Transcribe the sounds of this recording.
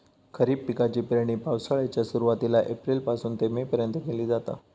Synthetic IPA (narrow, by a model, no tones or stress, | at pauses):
kʰəɾiːbpːikat͡ɕiːpɾeɽ̃iːpawsaɭat͡ɕjasuɾuʋat̪ilaʔepɾilpasuːnt̪emepəɾjənt̪əkeliːd͡zat̪a̰